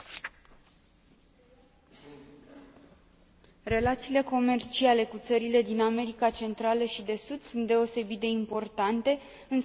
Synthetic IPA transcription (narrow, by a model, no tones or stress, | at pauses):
re̞lat̪siːle̞ko̞me̞rt͡ʃiale̞kut̪səɾile̞d̪iname̞ɾikat͡ʃe̞nt̪ɾaləʃid̪e̞sud̪sunt̪̚d̪e̞o̞se̞bit̪̚d̪e̞impo̞rt̪ant̪e̞ | ɨn